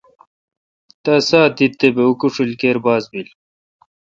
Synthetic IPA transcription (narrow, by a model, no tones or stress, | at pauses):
t̪ɐsaːt̪it̪ːebeukuʂulkeːɾbaːzbil